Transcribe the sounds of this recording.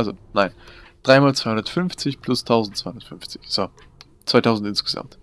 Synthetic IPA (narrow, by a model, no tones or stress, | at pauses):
ʔʔalzonaɪnd̥ʁaɪmaːlt͡svaɪhʊndɐtfʏnft͡sɪçpʰl̥ʊstʰaʊzn̩tt͡sv̥aɪhʊndɐətfʏnft͡sɪ̥çz̥o | v̥aɪtʰaʊzn̩tɪnsɡ̥əza̰mt